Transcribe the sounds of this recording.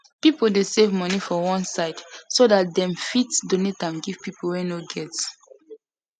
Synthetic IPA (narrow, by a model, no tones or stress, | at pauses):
pipəldesevmɔnifɔwɔ̃nsaɪdsodat̚dɛ̃mfitsdonetãmɡiv̥pipəlwɛnoɡɛts